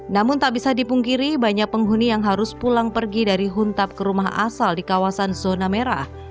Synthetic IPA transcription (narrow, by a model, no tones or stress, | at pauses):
namʊnt̪aʔbisadipuŋkiɾibaɲak̚pəŋɦunijaŋɦaɾʊspulaŋpərɡidaɾiɦunt̪ap̚kəɾumaɦa̰saldikawasanzonameɾa